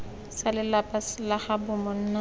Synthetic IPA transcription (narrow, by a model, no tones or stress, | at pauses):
salɪlapʼalaχabʊmɔn̩ːna